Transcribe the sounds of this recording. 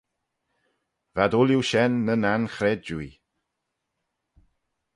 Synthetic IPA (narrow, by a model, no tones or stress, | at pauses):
vadʊljuʃɛnːənanxɾɛd̚d͡ʒui